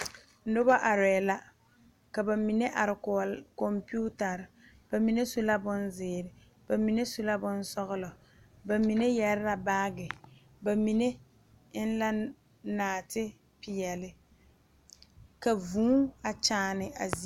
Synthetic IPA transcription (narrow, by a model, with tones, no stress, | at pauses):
n̩˦dʊ˦ba˦ʔa˨ɾɛː˨la˦ | ka˨ba˨mi˨ne˦ʔa˨ɾɪ˨kɔ˨lkɔ˨mpu˦ta˨ɾɪ˨ | b̥a˨mi˨ne˦so˦la˦bʊ˦nzɪː˨ɾɪ˨ | b̥a˨mi˨ne˦so˦la˦bʊ˦n˦sɔ˦ɣʊ˦lɔ˨ | ba˨mi˨ne˦jɛ˨ɾɪ˦ɾa˨baː˦ɡɪ˨ | ba˨mi˨ne˦ | ɪ˦n˦la˦ | naː˨tɪ˦ | pɪ˨jɛ˨lɪ˦ | ka˨vũː˦a˨t͡ʃaː˨˦˨nɪ˨a̰˨zi˨˦